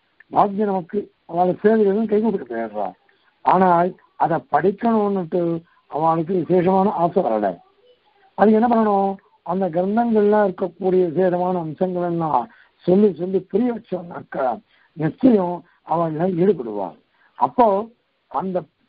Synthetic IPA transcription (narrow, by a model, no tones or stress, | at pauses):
baːk̚d͡ʒɐnɐmɐkːɯ | ɐʋaːɭɐseːðɯɣɐðkɐjkupːɪʈːɐpːeɾɾã̰ː | aːnaːl | ɐðɐpɐɽɪkːɐɳɯ̃nːɯʈːɯ | ɐʋaːɭɯk̬ːɯʋɪseːʂɐmaːnɐaːsɐʋɐ̰ɾɐ̰lɛ̰ | ɐðɯŋɡɛnːɐpɐnːɐɳʊ̃ | ɐnd̪ɐɡɐɾnd̪ɐŋɡɐɭɪlːãːɪɾɯkːɐkːuːɽɪjɐseːɾɐmaːnɐːmsɐŋɡɐɭɐlːãː | sɔlːisɔlːipʊɾɪjɐʋɐt͡ʃːɐʋɐna̰ːkːɐ | nɪt͡ʃːɐjʊ̃ | ɐʋaːɭɐlːãːeɽɯpːɐɽɯ̰ʋã̰ː | ɐ̰pːoː | ɐnd̪ɐ